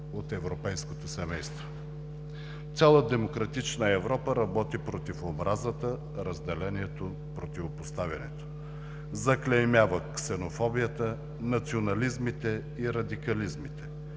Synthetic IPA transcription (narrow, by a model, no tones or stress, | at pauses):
ot̪ɛvɾopɛjskot̪osɛmɛjst̪vo | t̪sʲalˠəd̪ɛmokɾɐt̪it͡ʃnəɛvɾɔpəɾɐbɔt̪ipɾot̪ifobɾʔazət̪ə | ɾəzd̪ɛlɛniɛt̪o | pɾot̪ivopost̪avʲɐnɛ̰t̪o̥ | zɐklɛmʲjavəksɛnofɔbijət̪ə | nɐt̪sionɐlizmit̪ɛ | iɾɐd̪ikɐlizmit̪ɛ